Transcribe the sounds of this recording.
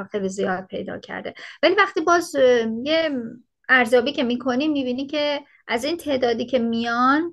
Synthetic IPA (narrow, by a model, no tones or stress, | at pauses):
xejlizijɒːd̪̥̚pʰe̞̰jd̪ɒ̰ːcʰæ̰ɾd̪e̞̰vælivæxt̪iːbɒːzje | æɾzijɒːbiːcʰe̞miːkʰo̞niːmːiːbiːniːcʰe̞ | ʔæziːnt̪ʰe̞ːd̪ɒːd̪iːcʰe̞mijɒn